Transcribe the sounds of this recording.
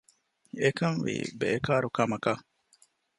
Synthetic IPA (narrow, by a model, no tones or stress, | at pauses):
ekɐŋʋḭːbḛːkaːɾukɐmɐkɐ